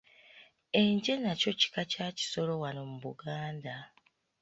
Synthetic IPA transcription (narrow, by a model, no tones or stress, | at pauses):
e̞ɲɟe̞naco̞ci̥kacaːci̥so̞lo̞wano̞muβuɡaːnda